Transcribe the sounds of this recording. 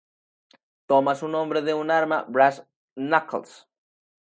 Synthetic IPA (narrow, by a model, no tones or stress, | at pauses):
t̪omasunõ̞mbɾeðeunaɾmabɾas | nakls